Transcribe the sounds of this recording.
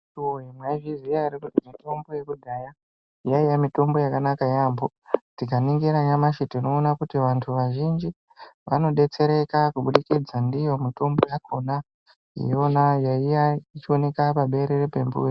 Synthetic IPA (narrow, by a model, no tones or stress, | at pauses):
uojemwaiviziaɾikutimito̞mbo̞je̞kudʱaja | jaijamito̞mbo̞jakanakajaːmbo | tikaniŋɡiɾaɲamaʃetino̞ːnakutiʋantʰuʋaʒind͡ʒi | ʋano̞ɗe̞t͡se̞ɾe̞kakuɓuɗikid͡zandijo̞mito̞mbojakʰo̞na | ḭjo̞najaijait͡ʃio̞ne̞kapaɓe̞ɾerepe̞mbṵri